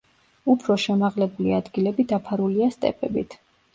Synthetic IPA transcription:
upʰɾɔʃɛmaʁlɛbuliad̪ɡilɛbid̪apʰaɾuliast̪ʼɛ̰pʰʼɛbḭt̪ʰ

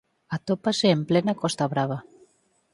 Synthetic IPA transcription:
at̪opaseːmplɛnakɔst̪aβɾaβ̞a

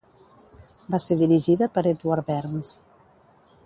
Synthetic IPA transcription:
baseðiɾiʒiðəpəɾet̪uaɾbɛɾns

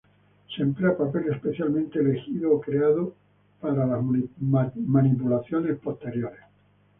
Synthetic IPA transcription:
sempleapape̞lespe̞θjalmẽnt̪eele̞xiðoːkɾeaðo | paɾalaz | manipulaθjo̞ne̞spost̪e̞ɾjo̞ɾes

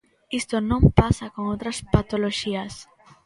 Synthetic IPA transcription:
ist̪onõmpasakoŋowt̪ɾɐspat̪oloʃiɐs

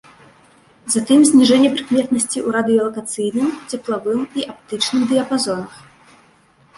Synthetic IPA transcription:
zat̪ɨmzʲnʲiʐɛnʲːɛpɾɨkmʲɛt̪nɐsʲt͡sʲiʔuɾad̪ɨjɐlˠɐkat̪sɨjnɨmt͡sʲɛplˠavɨmiʔap̚t̪ɨt͡ʂnɨmd̪ɨjɐpazɔnɐx

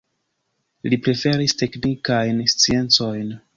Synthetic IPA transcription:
lipɾe̞fe̞ɾiste̞knikajnst͡sie̞nt͡so̞jn

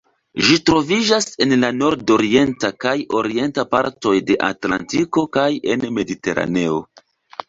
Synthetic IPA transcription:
ʒitɾo̞vid͡ʒase̞nlano̞ɾdo̞ɾie̞ntakajo̞ɾie̞ntapa̰ɾto̞jde̞ʔa̰tla̰ntiko̞kaje̞nme̞dite̞ɾa̰ne̞o̞̰

